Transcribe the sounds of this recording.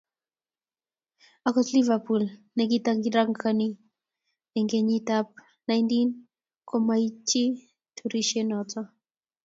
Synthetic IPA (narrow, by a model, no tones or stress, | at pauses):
akɔslivapulnɛk̬itaŋɡiɾaŋkʰani | ɛŋɡeɲitap̚ | najntin | kʰɔmait͡ʃi | tʰuɾiʃɛnɔtɔ